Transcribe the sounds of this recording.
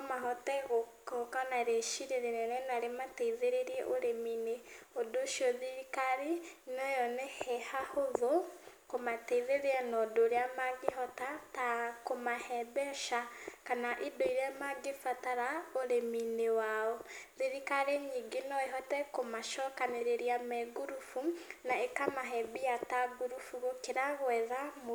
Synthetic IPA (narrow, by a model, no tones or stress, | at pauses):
omaɦɔtɛɣokokanaɾeʃiɾeɾeɾɛnɛnaɾemateiðeɾeɾiɛ̰ʔoɾemineodoʃioðiɾikaɾinojɔnɛhɛhahoðo | komateiðeɾeanodoɾeamaɡiɦɔtatakomahɛbɛʃakanaʔibeiɾamaɡefataɾaoɾeminewaoðiɾikaɾeɲiɡinɔeɦɔtɛkomaʃɔkaneɾeɾiamɛɡuɾufunaekamaɦɛbiataɡuɾufuɣokiɾaɣwɛːðamo